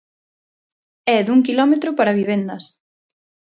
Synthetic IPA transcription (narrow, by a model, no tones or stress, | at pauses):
ɛðuŋkilɔmet̪ɾʊpaɾɐβiβ̞end̪ɐs